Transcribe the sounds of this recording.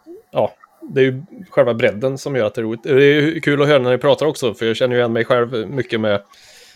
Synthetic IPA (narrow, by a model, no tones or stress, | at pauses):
ʔɑː | d̪ɛːjɵɧɛlvabɾɛd̪ːənsɔmjœːɾat̪̚ɛæɾuːlɪt̪ɛd̪ɛːjkʰʉːlɔɦøːɾanænɪpʰɾɑːt̪aɾɔksɔfœjɑːɡɕɛnːəjʏjɛnmɛjɧɛlvmʏkːəmɛ